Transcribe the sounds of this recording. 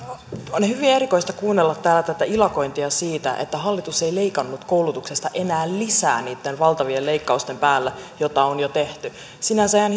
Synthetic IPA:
onehyʋiæeɾiko̞ijst̪ɑkuːnːelːɑt̪ːæːlæt̪æt̪æilɑko̞jnt̪iɑsiːt̪æ̰ʔḛt̪ːæɦɑlːit̪use̞ile̞ikɑnːut̪kowlut̪uksest̪ɑʔe̞næːllisæ̰ːniːt̪ːenʋɑlt̪ɑʋiele̞ikːɑust̪e̞mpæːlːæjot̪ɑonjot̪e̞ht̪y | sinænseæn

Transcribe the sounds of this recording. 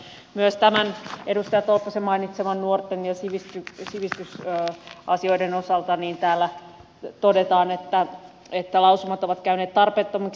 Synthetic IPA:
myøst̪æmænedust̪ɑjɑt̪olpːɑsemɑinit̪semɑnnuort̪ːenjɑsiʋist̪ysiʋist̪ys | ɑ̰sio̞ideno̞sɑlt̪ɑniːnt̪æːlːæ | t̪odet̪ɑːnet̪ːæ | et̪ːælɑusumɑt̪oʋɑt̪kæyneːt̪t̪ɑrpeːt̪ːomɑk

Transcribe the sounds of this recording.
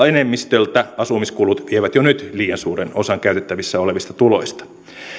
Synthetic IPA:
enemːist̪ølt̪æɑsumiskulut̪ʋieʋæt̪jonyt̪liːjɑnsuːreno̞sɑŋkæyt̪et̪ːæʋisːæoleʋist̪ɑt̪ulo̞̰ist̪ɑ̥

